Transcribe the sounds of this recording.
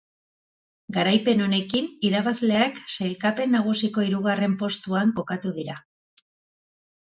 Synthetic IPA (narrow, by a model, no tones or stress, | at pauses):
ɡaɾajpe̞no̞ne̞kiniɾaβazle̞aksajlkape̞nːaɣ̞usiko̞iɾuɣ̞are̞mpo̞st̪uaŋko̞kat̪uðiɾa